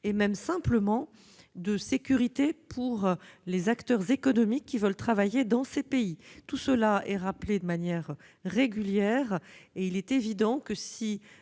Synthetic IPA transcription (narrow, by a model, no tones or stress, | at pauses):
emɛmsɛ̃pləmɑ̃ | d̪əsekʲyʁit̪epʰuʁlezakt̪œʁzekɔnɔmikʲːivœlt̪χavajed̪ɑ̃sepeit̪usəlaɛʁapled̪əmanjɛʁ | ʁeɡʲyljɛʁeilɛt̪evid̪ɑ̃kəsi